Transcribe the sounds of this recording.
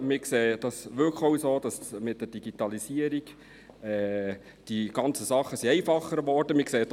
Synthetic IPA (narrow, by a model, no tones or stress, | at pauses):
mɪkseːd̥ɑsʋʏɾkχowsoːd̥ɑsmɪt̚d̥əd̥iɡ̥itɑlisiəɾiɡ | ɛː | d̥iɡ̥ɑnt͡səsɑχːəsiɛɪfɑχəɾʋɔrd̥əmɪkseːt